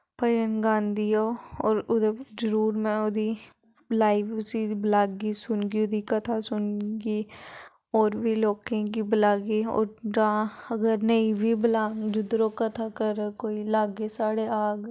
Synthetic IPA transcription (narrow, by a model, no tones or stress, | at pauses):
pəjənɡãːnd̪ʱijoɔːɾʊd̪ed͡ʒəɾuːɾmẽʊd̪ʱi | laːɪfʊsiblaːɡisʊnɡiʊd̪ʱikɐt̪ʰasʊnɡi | ɔːɾbʱiloːkẽkiblaːɡiɔ̰ːɾɖãːɐɡəɾnəibʱibɪlaːd͡ʒʊd̪ɾokɐt̪ʰakəɾkoːilaːɡesaːɽeaːɡ